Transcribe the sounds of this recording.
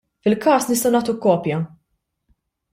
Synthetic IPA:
fɪlkɐːsnɪst̪ɐwnɐːt̪ukːɔːpjɐ

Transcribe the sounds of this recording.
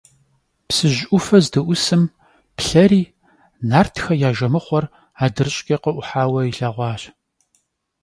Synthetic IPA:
psɨʑʷʔʊfɐzdɐʔʷʊsɨm | pɬɐɾiː | naːrtʰxɐjaːʒɐmɨχʷɔr | aːdɨrɨɕʼkʲʼɐqəʔʷʊħaːwɐiɬaːʁʷɑːɕ

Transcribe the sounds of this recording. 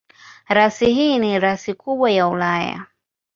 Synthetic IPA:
ɾasiɦiniɾasikuɓwajaulaja̰

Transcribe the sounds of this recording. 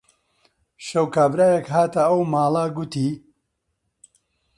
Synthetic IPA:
ʃɐwkaːbɾaːjekɦaːt̪ɐɐwmaːlˠɐɡut̪iː

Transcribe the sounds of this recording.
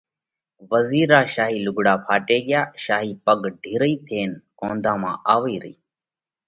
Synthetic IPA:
ʋəziːɾaːʃaːɦiːlʊɡɽaːpʰaːʈeːɡɪjaːʃaːɦiːpəɡɖʱiːɾəiːt̪ʰeːnkõːnd̪ʱãːmã̰ːʔaːʋiːɾəḭː

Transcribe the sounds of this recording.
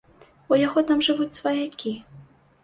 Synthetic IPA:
ɔjaɣɔt̪amʐɨvut͡sʲsvɐjakʲi

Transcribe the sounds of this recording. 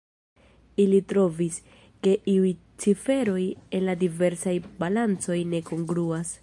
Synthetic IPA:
ilitɾo̞vis | ke̞ʔiuj | t͡sife̞ɾo̞je̞nladive̞ɾsajbalant͡so̞jne̞ko̞ŋɡɾuas

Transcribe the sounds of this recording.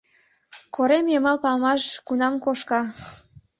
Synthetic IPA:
koɾemjəmɑlpɑmɑʃkunɑmkoʃkɑ

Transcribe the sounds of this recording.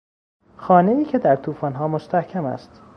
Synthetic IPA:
xɒːneiːkcʰe̞d̪æɾt̪ʰuːfɒːnɦɒːmost̪æhcʰæmæ̰st̪

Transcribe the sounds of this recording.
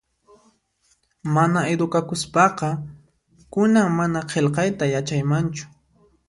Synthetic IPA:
manaed̪ʊkakʊspɑqɑ | kʊnaŋmanaqʰelqɑjt̪ajat͡ʃajmant͡ʃʊ̥

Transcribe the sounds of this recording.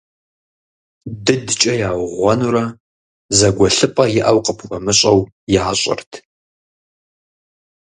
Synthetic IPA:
dɨdt͡ʃʼɐjaːwʁʷɔnuɾɐ | zɐɡʷɔɬɨpʼɐjɪʔɐwqʼəpʰxʷɔmɨɕʼɐw | jɪʕaɕʼɪ̰rtʰ

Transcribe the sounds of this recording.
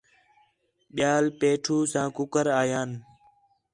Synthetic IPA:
ɓɪjaːlpeːʈʰuːsãːkʊkəɾaːjaːn

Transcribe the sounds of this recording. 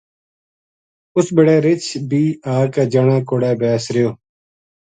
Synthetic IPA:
ʊsbɪɽɛːɾɪt͡ʃʰbiːaːkɛːd͡ʒəːɳãːkoːɽɛːbɛːsɾɪjoː

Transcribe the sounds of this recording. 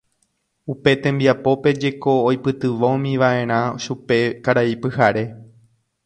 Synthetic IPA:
upe̞t̪ẽ̞mbiapo̞pe̞d͡ʒe̞ko̞ːjpɨt̪ɨʋoõmĩʋaʔẽ̞ɾ̃ãʃupe̞kaɾaipɨhaɾe̞

